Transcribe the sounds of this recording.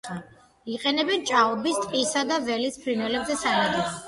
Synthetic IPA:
iqʼɛnɛbɛnt͡ʃʼaɔbist̪ʼqʼisad̪avɛlispʰɾinwɛlɛbzɛsalad̪is

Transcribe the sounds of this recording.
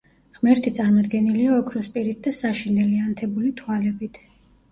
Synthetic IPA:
ʁmɛɾt̪ʰit̪sʼaɾmɔd̪ɡɛniliaɔkʰɾɔspʼiɾit̪̚d̪asaʃind̪ɛliant̪ʰɛbulit̪ʰwalɛbit̪ʰ

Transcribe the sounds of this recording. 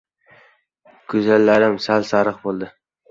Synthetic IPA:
kʰʊzalːaɾɪmsalsaɾɨqbolˠd̪ɪ

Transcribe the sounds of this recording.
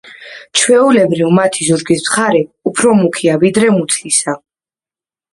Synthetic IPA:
t͡ʃʰwɛulɛbɾivmat̪ʰizuɾɡismχaɾɛupʰɾɔmukʰiavid̪ɾɛmut̪sʰlisa

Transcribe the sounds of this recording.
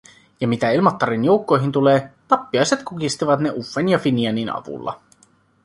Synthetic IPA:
jɑmit̪æilmɑt̪ːɑɾinjo̞uwkːo̞jɦint̪uleːt̪ɑpːiɑjse̞t̪kukist̪iʋɑt̪ne̞ʔufːenjɑfiniɑninɑ̰ʋṵlːɑ̰

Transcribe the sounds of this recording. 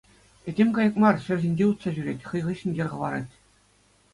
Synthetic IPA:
ɘ̆dʲemʲkɑjɤ̆kmɑrɕɘ̆rʲʑʲinʲd͡ʑʲeut̪sɑʑyɾʲetʲχɤ̆jʁɤ̆ɕɘ̆nʲɡʲĕrʁɤ̆ʋɑɾɑtʲ

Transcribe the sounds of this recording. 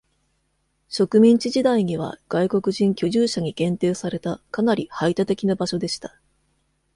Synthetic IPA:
ɕo̞kɯ̟mʲĩɲ̟t͡ɕiʑid̪aiɲ̟iβ̞a̰ɡ̥aiko̞kɯ̟ʑĩŋkʲo̞ʑɨːɕaɲ̟iɡẽ̞nt̪e̞ːsaɾe̞t̪akanaɾʲihait̪at̪e̞kʲinabaɕo̞d̪e̞ɕi̥t̪ḁ

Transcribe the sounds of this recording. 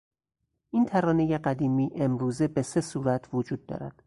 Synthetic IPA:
ʔiːnt̪ʰæɾɒːne̞jeɢæd̪iːmiːʔe̞mɾuːzebe̞se̞suːɾæt̪ʰvod͡ʒuːd̪̚ːɒ̰ːɾæ̰d̪̥

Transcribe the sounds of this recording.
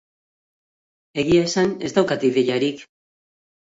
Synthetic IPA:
e̞ɣiaesane̞zd̪awkat̪iðeʎaɾik

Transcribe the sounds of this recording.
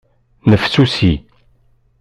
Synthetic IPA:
nəfsusi

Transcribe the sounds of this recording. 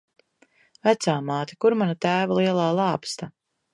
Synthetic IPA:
væt̪saːmaːt̪e̥kuɾmanat̪æːvalˠiɛlˠaːlˠɑːpst̪a

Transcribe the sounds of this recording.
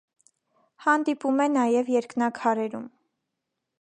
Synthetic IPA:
hɑnd̪ipumɛnɑjɛvjɛɾknɑkʰɑɾɛɾum

